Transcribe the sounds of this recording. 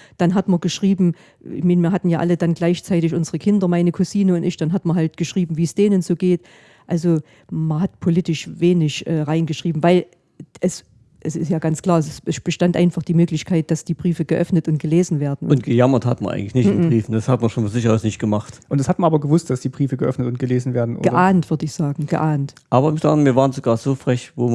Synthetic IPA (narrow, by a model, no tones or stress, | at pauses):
d̥anɦatmɐɡəʃʁ̥iːbm̩ | ɪ̰çmaɪnmiːɐɦatn̩jaːʔalədanɡlaɪçt͡saɪtɪçʔʊnzəʁəkʰɪndɐmaɪnəkʰʊsiːnəʊntɪçd̥anɦatmɐɦaltɡ̥əʃʁ̥iːbm̩viːsd̥eːnənzoːɡeːt | ʔalzo | mɐɦatpʰolɪtɪʃveːnɪçʔɛːʁaɪnɡəʃʁ̥iːbm̩vaɪl | ʔɛs | ʔɛsɪ̰stjaːɡant͡skl̥aːɐssɛb̥əʃtantʔaɪnfaχd̥iːmøːklɪçkʰaɪt̚d̥asd̥iːbʁiːfəɡəʔœfnətʊnt̚ɡ̥əleːzn̩veːɐdn̩ʊntɡ̥əjamɐtha̰tmɐ̰nʔa̰ŋ̩lɪçnɪçtɪnbʁiːfn̩d̥ashatmɐʃoːnfonzɪçɐasnɪçt̚ɡ̥əmaχtʔʊntd̥ɛshatmɐnaːbɐɡəvʊstd̥asd̥iːbʁiːfəɡəʔœfnətʊnt̚ɡ̥əleːzn̩veːɐdn̩ʔo̰ːɡəʔaːntv̥ʏɐdəɪçz̥aːɡŋ̩ɡ̥əʔaːntʔaːbɐmta̰miːɐvaːʁnz̥oɡaːɐzoːfʁ̥ɛçvoː